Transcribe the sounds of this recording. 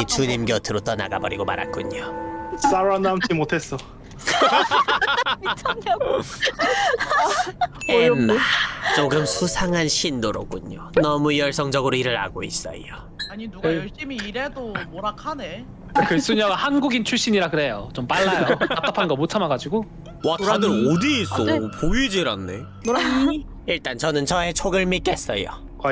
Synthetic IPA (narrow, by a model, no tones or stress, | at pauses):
it͡ɕuɲimɡjʌtʰɯɾot͈ʌna̰ɡa̰bʌɾiɡoma̰ɾa̰k͈uɲos͈aɾoanamt͡ɕimotʰe̞s͈ʌ | ʌʌɡ | o | t͡ɕoɡɯmsʰusʰaŋɦanɕʰindoɾok͈uɲonʌmujʌɭs͈ʌŋd͡ʑʌɡɯɾoiɾɯɾa̰ɡois͈ʌ̰o | aɲinɕ͈imiːɾedomoɾakʰane | kɯs͈uɲʌɡahanɡuɡint͡ɕʰuɭɕ͈iɲiɾaɡɯɾe̞jot͡ɕompaɭːajokat͈apʰanɡʌmot͡ɕʰamaɡad͡ʑiɡo | wat͡ɕadɯɾodiːs͈opoid͡ʑiɾanːe̞̰ | oɾa | iɭt͈ant͡ɕʌnɯnt͡ɕʌet͡ɕʰoɡɯɭmik͈es͈ʌjo̰ | k